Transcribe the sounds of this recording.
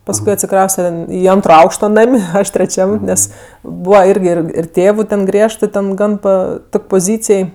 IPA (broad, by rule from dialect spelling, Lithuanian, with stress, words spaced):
pɐsˈkʊɪ ɐtʲsʲɪˈkrɐʊsʲtʲɛ ˈiː ˈɐntroː ˈɐʊkʃtoː ˈnɐmʲ ˈɐʃ tʲrʲɛˈt͡ʃʲɛm ˈnʲɛs ˈbuːʋɐ ˈɪrʲɡʲɪ ˈɪr ɪr ˈtʲeːʋʊ tʲɛn ˈɡrʲiɛʃtɜ ˈtʲɛn ˈɡɐn ˈpɐ ˈtoːkʲ poːˈzʲiːt͡sʲeːj